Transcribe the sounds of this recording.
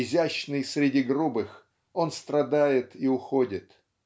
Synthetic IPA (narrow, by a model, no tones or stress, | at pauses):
ɪzʲæɕnɨjsʲɾʲɪdʲiɡrubɨx | o̞nst̪ɾɐd̪ajɪt̪iʊxodʲɪt̪